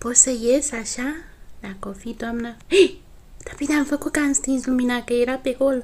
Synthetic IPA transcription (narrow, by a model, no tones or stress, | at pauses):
posəjesaʃanakofit̪wamnae | t̪ḁpinamfəkukanst̪izuminakəiɾapekol